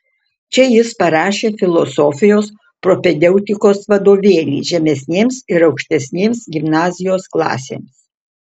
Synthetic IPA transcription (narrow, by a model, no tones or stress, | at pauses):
t͡ʃʲɛjɪspɐɾɑːʃʲeːfʲɪlˠosoːfʲɪjoːs | pɾɔpʲɛd̪ʲɛʊt̪ʲɪkoːsʋɐd̪oːʋʲeːnʲḭːʒʲɛmʲɛsʲnʲeːmsɪɾɒʊkʃʲt̪ʲɛsʲnʲeːmsɡʲɪmnɑːzʲɪjoːsklˠɑ̰ːsʲḛːms